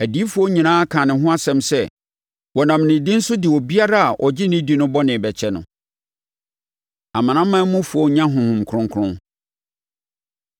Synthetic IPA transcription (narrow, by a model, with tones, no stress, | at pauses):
æ˨di˨˦fu˨˦o˦ɲĩ˨nãː˦a˦kʰã˨nɪ̃˨ɦʊ̃˦a˦sɛ̃˨msɛ˦˨ | wɔ˨nã˨mnɪ̃˨di˦n̩˦sʊ˦dɪ˨wɔ˨bi˦a˦ɾa˦˨a˨ʔɔ˨d͡ʑɪ˦nĩ˦di˦nʊ̃˦bɔ˦nɪ̃˨bɛ˨t͡ɕʰɛ˦nʊ̰̃˨ | a˨mã˨nã˦mːã˦mʊ̃˦fu˨ɔ˦ɲã˦ɦʊ̃˨hʊ̃˨mkʰɾʊ̃˦ŋkʰɾʊ̃˦ŋ